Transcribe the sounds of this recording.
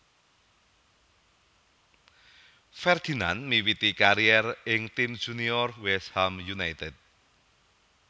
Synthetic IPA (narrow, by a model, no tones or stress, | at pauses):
fɛrd̪̥i̤na̰nmiwit̪ikaɾiɛrɪŋt̪im̥ʒ̥uniɔrwɛshamjunajt̪ɛt̪̚